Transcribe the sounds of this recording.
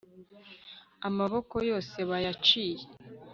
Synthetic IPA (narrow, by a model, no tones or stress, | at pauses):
amaβo̞ko̞jo̞ːse̞βajat͡ʃiːje